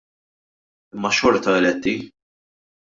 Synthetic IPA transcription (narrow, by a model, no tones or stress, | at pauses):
ɪmːɐʃɔɾt̪ɐɛlɛt̪ːi